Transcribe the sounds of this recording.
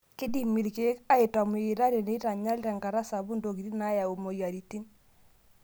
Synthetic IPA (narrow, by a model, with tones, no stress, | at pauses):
kɪ˦di˨mi˨ɾke˦ka˦e˨ta˨me˨i˨ɾa˦ɾe˨ne˨i˦ta˨ɲa˦lɾɛ˨ŋɡa˨ɾa˦sa˨bu˦ndo˨ki˨ɾi˦na˦ja˨o˨mo˨ja˨ɾi˨ti˦n